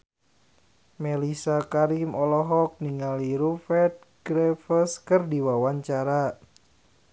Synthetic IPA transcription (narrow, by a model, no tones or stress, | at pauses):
melisakaɾimɔlɔɦɔk̚niŋaliɾufɛt̪̚ɡɾɛfəskɨrdiwawaɲt͡ʃaɾa